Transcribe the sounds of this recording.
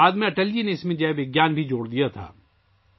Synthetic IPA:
aːd̪mẽɐʈəld͡ʒineɪsmẽd͡ʒabɪɡjaːnbʱid͡ʒoːɽd̪ijat̪ʰa̰ː

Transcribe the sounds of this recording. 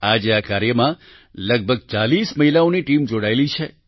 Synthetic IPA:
ad͡ʒeakaɾjəmã | ləɡ̚bʱəɡ̚t͡ʃalisməɦilaoniʈimd͡ʒoɽaelit͡ʃʰe

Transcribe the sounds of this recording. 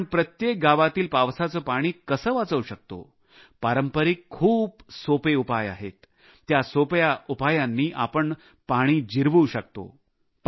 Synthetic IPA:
ɳpɾət̪jek̚ɡaʋat̪iːlpaʋsat͡səːpaɽ̃iːkəsəːʋat͡səwɕək̚t̪o̰ | paɾəmpəɾikʰːuːpsopeupaja̰ɦet̪ː | jasopjaupajanːiːʔapəɳ | paɽ̃iːd͡ʑiɾʋuːɕək̚t̪o̰ | p

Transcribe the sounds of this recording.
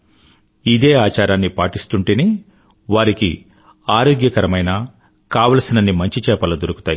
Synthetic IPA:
id̪eːaːt͡ʃaːɾaːnːipaːʈist̪uɳʈene | ʋaːɾikḭ | aːɾoːɡjɐkɐɾɐmɐjnɐ | kaːʋɐlsinɐnːimɐɲt͡ʃit͡ʃɛːpɐlɐd̪oɾuku̥t̪aːji

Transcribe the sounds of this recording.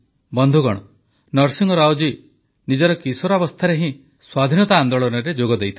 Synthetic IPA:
bɔnd̪ʱuɡɔɽ̃ɔ | nɔɾsiŋɡɔɾawd͡ʒi | nid͡ʒɔɾɔkisɔɾabɔst̪ʰaɾeɦĩ | swad̪ʱinɔt̪aːnd̪ɔɭɔnɔɾed͡ʒoɡɔd̪ejt̪ʰi

